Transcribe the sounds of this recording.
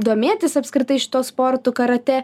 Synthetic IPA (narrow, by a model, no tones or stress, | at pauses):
d̪oːmʲeːt̪ʲɪsɐpskɾʲɪt̪ɐɪʃʲɪ̥t̪oːspoɾt̪uːkɐɾɐt̪ʲɛ